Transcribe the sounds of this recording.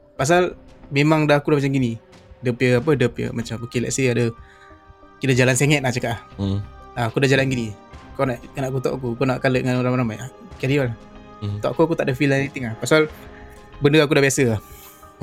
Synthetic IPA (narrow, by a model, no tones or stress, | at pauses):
pas̬almemaŋdaɦakudahmat͡ʃamɡinidəpəap̬ədəpə̰mat͡ʃaməkilɛ̰ʔsiadə | kiləd͡ʒalanseŋɛt̪̚aht͡ʃakaʔah | aakudahd͡ʒalanɡinikɔnaʔnaʔkut̪ɔ̰ʔakuakɔnaʔkaləʔŋanoɾaŋmɾamajahkadiɔlah | t̪ɔʔakuakut̪aʔdəfilanit̪ɪŋahpasal | bəndəak̬udahbiasəah